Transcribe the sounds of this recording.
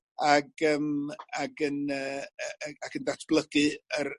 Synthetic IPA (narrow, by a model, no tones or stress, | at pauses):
aɡəːmaɡənəː | akʰəndatʰb̥lˠəɡɨər